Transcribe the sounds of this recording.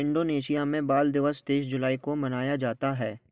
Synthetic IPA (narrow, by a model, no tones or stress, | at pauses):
ɪ̃ɳɖoːneːʃijamẽbaːld̪ɪʋəst̪eːsd͡ʒʊlaːikomɐnaːjad͡ʒaːt̪aɦɛː